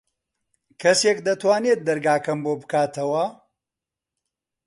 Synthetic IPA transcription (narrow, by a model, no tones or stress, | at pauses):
kʰɐseːkd̪ɐt̪waːneːt̪̚d̪ɐɾɡaːkɐmbobɨkaːt̪ʰɐwɐ